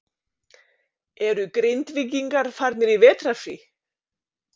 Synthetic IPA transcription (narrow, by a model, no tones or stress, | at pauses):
ɛɾʏkɾejnt̪vic̬iŋkaɾ̥faɾt̪nɪɾivɛːt̪ɾasḭ